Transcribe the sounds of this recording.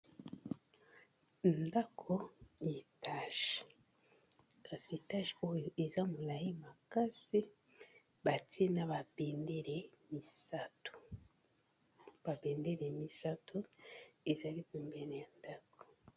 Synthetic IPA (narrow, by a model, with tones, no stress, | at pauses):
nda˦kʰo˦ji˨ta˨ʃi̥˨ | ka˨si˨e˨ta˦ʃi˨o˦e˨za˦mu˨la˨ji˦ma˨ka˦si˦ | ba˨ti˦e˦na˦βa˨beː˨nde˦ɾe˨mi˨sa˨tu̥˨ | ba˨be˨nde˦ɾe˨mi˨sa˦tu˦e˨za˦βi˦ku˨mbe˨ne˨a˨nda˦ko̥˨